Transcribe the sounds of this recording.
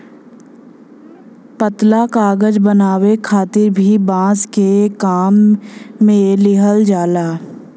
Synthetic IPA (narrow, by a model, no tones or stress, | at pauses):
pət̪lakaːɡəd͡ʒbənaːwekʰaːt̪ɪɾbʱibãːskekaːmː | ẽlɪɦəld͡ʒaːlaː